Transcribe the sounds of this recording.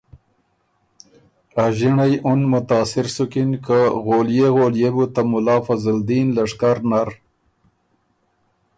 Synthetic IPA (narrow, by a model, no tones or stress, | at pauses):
aʒiɳajʔʊnmʊt̪ɑːsɪɾsʊkinkəɣoːljeɣoːljebut̪amʊlɑːfazɪld̪iːnlaʂkaɾnaɾ